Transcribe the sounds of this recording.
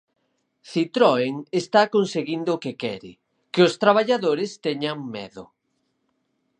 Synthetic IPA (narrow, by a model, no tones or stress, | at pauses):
θit̪ɾɔeŋest̪akonseɣind̪ʊkekɛɾɪ̰ | keʊst̪ɾaβ̞aʎaðoɾɪst̪ɛɲaŋmɛ̰ðʊ